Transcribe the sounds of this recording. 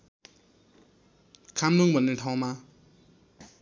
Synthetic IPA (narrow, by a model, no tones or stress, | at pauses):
kʰamluŋbʱʌnːeʈʰaw̃ma